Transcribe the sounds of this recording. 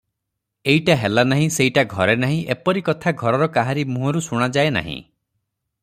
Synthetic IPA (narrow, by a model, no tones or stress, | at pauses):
eiʈaɦelanaɦĩseiʈaɡʱɔɾenaɦĩʔepɔɾikɔt̪ʰaɡʱɔɾɔɾɔkaɦaɾimũɦɔɾusuɽ̃ad͡ʒaena̰ɦḭ̃